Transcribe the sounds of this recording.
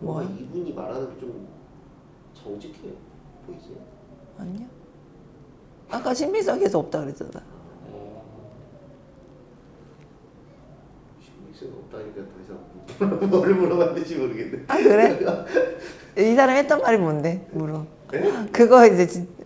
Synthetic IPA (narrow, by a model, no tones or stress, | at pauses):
mʌibuɲima̰ɾadot͡ɕom | t͡ɕʌŋd͡ʑikʰe | pois͈ejo | aɲo | ak͈aɕʰimmiks͈ʌkʰes̬oʌp̚t͈akɯɾet͈ʌ̰da | ɕʰimiks͈ɯɡʌp̚t͈aikatʌisʰaitɾʌɾɯɭmuɾʌɡandɯɕʰimoɾɯɡendeakɯɾe | isʰaɾamihet͈ʌnmaɾimonde̞muɾu | kɯɡʌid͡ʑe̞t͡ɕi